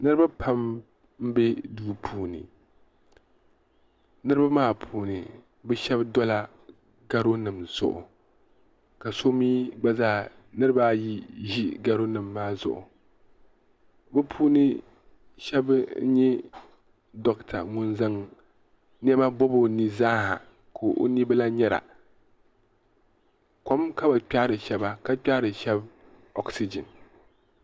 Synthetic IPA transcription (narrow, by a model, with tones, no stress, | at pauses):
nɨ˦ɾɨ˦ba˦pʰa˦m | m̩˦be˦duː˦pʰuː˦˨nɨ̰˨ | nɨ˦ɾɨ˦ba˦maː˦pʰuː˦nɨ˨ | bɨ˦ʃɛ˦bdɔ˦la˦ | ɡa˦ɾo˦nɨ˨mz̥ʊ̰˨ʔʊ̰˨ | ka˨so˦miː˦ɡ͡ba˦zaː˦˨ | nɨ˦ɾɨ˦ba˦ji˦ʒi˦ɡa˦ɾo˦nɨ˨mːaː˦zʊ̰˨ʔʊ̰˨ | bɨ˦pʰuː˦nɨ˦ | ʃɛ˦bɲɛ˦ | dɔ˦ktʰa̰˨ŋʊ˦nza˦ŋ | n˦ɛ˦ba˦bo˦bo˨ni˦zaː˦ha̰˨ | kʰoː˨ʔo̰˦ni˦ba˦la˦ɲɛ˦ɾa̰˨ | ko˦mka˦ba˨k͡pʲa˦ɾɨ˨ʃɛ˦ba˦ka˦k͡pʲa˦ɾɨ˨ʃɛ˦b | ɔ˦ksi˦d͡ʒɪ˨n